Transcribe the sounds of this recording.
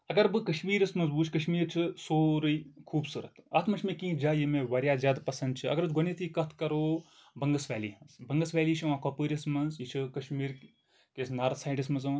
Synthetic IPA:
ɐɡɐɾbɨkɐʃmiːɾɐsmɐnzbuːt͡ʃʰkɐʃmiːɾt͡ʃʰɨsoːɾɨikʰuːbsɨɾɐ̰t̪ʰɐt̪ʰmɐt͡ʃʰmẽkĩːd͡ʒaːjimẽʋɐɾʲjaːzʲjaːd̪pɐsɐnd̪̚t͡ʃʰiɐ̰ɡɐɾɨt͡sɡonit̪ʰikɐt̪ʰkɐɾoː | bɐŋɡɐsʋɛːliːɦɐnsbɐŋɡɐsʋɛːliːt͡ʃʰiʋãːkoːpəːɾʲɐsmɐnzjit͡ʃʰɨkɐʃmiːɾ | kesnɐɾsaːjɖismɐnzɐ

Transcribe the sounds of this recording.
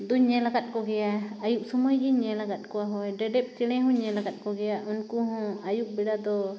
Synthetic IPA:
d̪uɲɛlaɡat̪̚ˀkɔɡɛjaːjuʔ̚sɔmɔjd͡ʒiɲɛlaɡat̪̚ˀkɔaɦɔjɖɛɖɛp̚t͡ʃɛɽ̃ɛ̃ɦɔ̃ɲɛlaɡat̪̚ˀkɔɡɛjaʔɔnkuɦɔ̃ajuk̚bɛɽad̪ɔ

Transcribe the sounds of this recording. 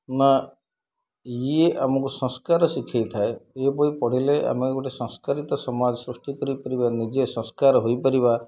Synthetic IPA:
na | jeʔamɔkusɔ̃skaɾɔsikʰejt̪ʰaeepɔɽipɔɽ̤ileʔa̰mɔkekɔʈesɔ̃ŋskaɾit̪ɔsɔmad͡ʒɔsɾusʈikɔɾipɔɾibanid͡ʒesɔ̃skaɾɦojpɔɾiba

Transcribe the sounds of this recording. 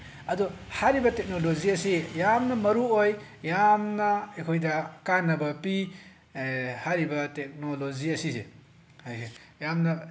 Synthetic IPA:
ɐdɔ | haɾibɐtek̚noloziɐsijamnɐmɐɾuojjamnɐekʰojdɐkanːɐbɐpi | haɾibɐtek̚noloziɐsisḛ | jamnɐ

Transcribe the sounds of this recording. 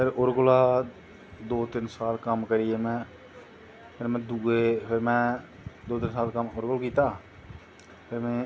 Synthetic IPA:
pʰɪɾʊɾɡʊlaː | d̪oːt̪ɪnsaːlkəmkəɾɪeːmɛ̃ː | pʰɪɾmɛ̃ːd̪uːeːpʰɪɾmɛ̃ː | d̪oːt̪ɪnsaːlkəmʊɾɡʊlkiːt̪aː | pʰɪɾmɛ̃ː

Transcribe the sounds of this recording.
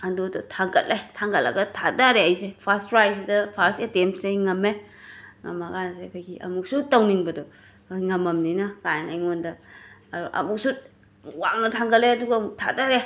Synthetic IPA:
ɐndodɔtʰaŋɡɐtlːejtʰaŋɡɐlːɐ̰ɡɐtʰadaɾeajsepʰastfɾajsidɐpʰaɾsetemsdejŋɐmːe | ŋɐ̰mɐkansekʰajɡiʔɐ̰muk̚sutɐwniŋbɐdɔ | jŋɐmɐmninɐkajnajŋondɐɐɾuʔɐ̰muk̚su | wa̰ŋnɐtʰaŋɡɐlːeɐduɡɐmutʰa̰daɾe

